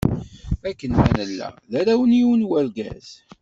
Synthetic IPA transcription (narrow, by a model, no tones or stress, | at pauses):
ækːənmænəlːæ̰læɾæwəniunwælɡæ̰z